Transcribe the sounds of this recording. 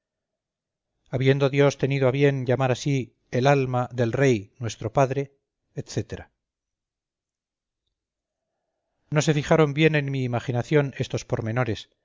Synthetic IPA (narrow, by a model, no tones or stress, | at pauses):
aβje̞nd̪o̞ðjo̞st̪e̞niðoaβje̞nʎamaɾasi | elalmaðe̞lre̞jnwe̞st̪ɾo̞paðɾe̞ː | t̪θe̞t̪e̞ɾa | no̞se̞fiχaɾo̞mbje̞ne̞nmiːmaχinaθjo̞ne̞st̪o̞spo̞ɾme̞no̞ɾe̞s